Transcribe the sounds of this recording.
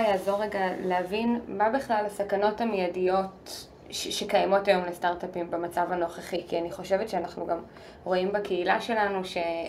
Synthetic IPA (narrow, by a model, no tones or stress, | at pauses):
jaːzo̞ʁːeɡaleavinbabiχlalasakano̞tamijadijo̞t | ʃʃekajamo̞tajo̞mlestaʁtapimbemat͡savano̞χeχikianiχo̞ʃevetʃeanaχnuɡam | ʁo̞imbakʰeilaʃe̞lanuʃe̞